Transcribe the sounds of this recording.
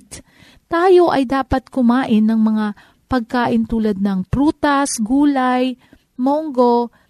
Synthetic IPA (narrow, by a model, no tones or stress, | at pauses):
t̪ | t̪aːjo̞ʔɐjd̪aːpɐt̪̚kʊmaːʔɪnːɐŋmɐŋa | pɐɡ̚kaːʔɪnt̪uːlɐd̪̚nɐŋpɾuːt̪ɐsɡuːlaj | moŋɡo̞